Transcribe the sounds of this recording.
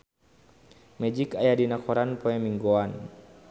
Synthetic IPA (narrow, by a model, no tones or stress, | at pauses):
mɛd͡ʒikajadinakʰɔɾanpɔɛmiŋɡoan